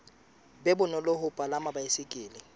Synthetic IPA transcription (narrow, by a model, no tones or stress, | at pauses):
bɛbʊnɔloɦʊpʼalamabaɪsɪkʼɪːlɪ